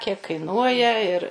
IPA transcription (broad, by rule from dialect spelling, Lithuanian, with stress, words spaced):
ˈsɑːkʲeː kɐɪˈnuɔjɛ ɪr